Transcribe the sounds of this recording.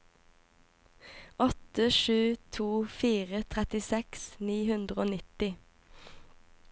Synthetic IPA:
ʔɔt̪əʃʉːt̪ʰuːfiːʁət̪ʰʁɛt̪ɪsɛksniːhʉnd̪ʁəoːnɪt̪ɪ

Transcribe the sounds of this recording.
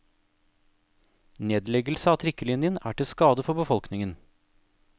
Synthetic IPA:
neːd̪lɛɡəl̩səɑːt̪ʰɾɪkəlɪnjənæ̰ːʈɪskɑːd̪əfɔbəfɔlknɪŋən

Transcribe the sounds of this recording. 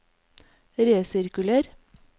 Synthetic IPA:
ɾeːsɪɾkʉləɾ

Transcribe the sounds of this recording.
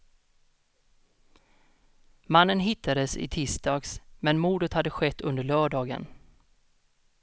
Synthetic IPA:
manːənɦɪt̪ʰːad̪əsɪ̰t̪ʰɪːst̪ɑːɡsmɛnmuːd̪ət̪had̪ːəɧɛt̪ʰːɵnd̪əɭœːɖɑːɡə̰n

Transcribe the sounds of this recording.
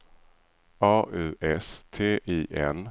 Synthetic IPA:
ɑːʔʉ̟ːʔɛst̪ʰeːʔiːʔɛn

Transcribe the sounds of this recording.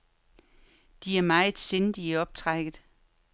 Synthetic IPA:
d̥iæɐmɑ̈ɪð̩ˠsend̥iæɒ̽b̥t͡sʰʁaɡ̥ð̩ˠ

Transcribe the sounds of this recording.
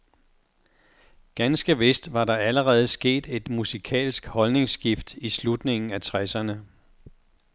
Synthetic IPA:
ɡ̥ænsɡ̥əʋe̝sd̥ʋɑ̈ɾɑ̈æləʁɛːð̞̩ˠsɡ̥e̝̰ːd̥e̝d̥musikʰɛ̰ːlsɡ̥hɒ̽lne̝ŋsɡ̥ifd̥islud̥ne̝ŋn̩æt͡sʰʁɛsɐnə

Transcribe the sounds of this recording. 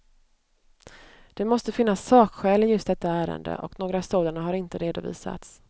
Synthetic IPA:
d̪̥ɛmɔst̪əfɪnːasːɑːkɧɛːlɪjɵst̪̚d̪ɛt̪ːaæːɾə̰nd̪ə̰ʔɔknoːɡɾasoːd̪anəɦaɾɪnt̪əɾeːd̪ʊvḭːsa̰t̪s

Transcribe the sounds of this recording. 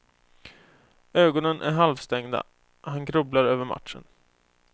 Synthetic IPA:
øːɡɔnənʔæ̰ɾɦalvst̪ɛŋd̪a̰ | hanɡɾɵblaɾøːvəɾma̰t̪ʂə̰n

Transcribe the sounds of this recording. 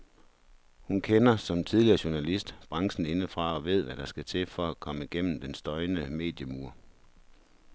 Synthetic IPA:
hunkʰenɐsɒ̽mt͡sʰiðˠliɐːɕuɐnælisd̥b̥ʁɑ̈ŋsn̩e̝nəfʁɑ̈ɒ̽ʋe̝ð̞̰ˠʋæɾ̥ɑ̈sɡ̥æt͡sʰe̝fɒækʰɒ̽məɡ̥en̰m̩d̥ensd̥ɒ̽ɪnəme̝̰ːd̥jəmuɐ̰

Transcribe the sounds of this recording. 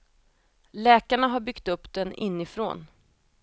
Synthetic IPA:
lɛːkaɳaɦaɾbʏkt̪ɵpːd̪̥ɛnʔɪ̰nːɪfɾo̰ːn

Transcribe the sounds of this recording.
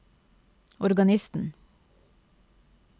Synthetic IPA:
ɔɾɡɑnɪst̪n̩

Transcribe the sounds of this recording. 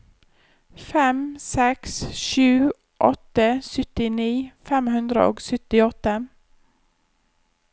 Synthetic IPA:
fɛmsɛksʃʉː | ʔɔ̰t̪əsʏt̪ɪniːfɛmhʉnd̪ɾə̰o̰ːɡsʏt̪ɪɔt̪ə

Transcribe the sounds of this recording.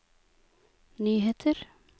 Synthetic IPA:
nyːɦeːt̪ʰəɾ

